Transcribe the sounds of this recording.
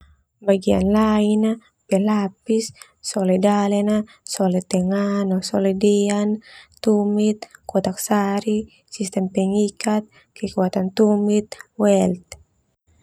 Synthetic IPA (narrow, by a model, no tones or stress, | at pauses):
baɡia̰nlaina | pɛlapisː | ɔlɛdalɛna | sɔlɛt̪ɛŋanɔsɔlɛdɛant̪umit̪̚kɔt̪aksaɾi | sist̪ɛmpɛŋikat̪̚ | kɛkuat̪ant̪umit̪̚wɛlt̪̚